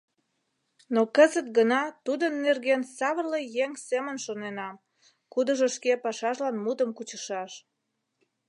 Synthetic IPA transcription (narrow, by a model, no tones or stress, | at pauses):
nokəzət̪̚ɡənɑt̪ud̪ənːerɣensɑβərlejeŋsemənʃonenɑm | kud̪əʒoʃkepɑʃɑʃlɑnmud̪əmkut͡ɕə̥ʃɑʃ